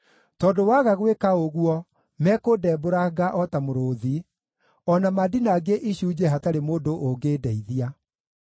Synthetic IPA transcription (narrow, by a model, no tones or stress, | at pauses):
tɔːdowaɣaɣwekaoɣuɔ | mɛːkoːdɛːboɾaɡaʔɔtamoɾoði | ɔnamadinaːɡeʔiɕuːd͡ʑɛɦataɾemoːdoʔoɡeːdɛiðia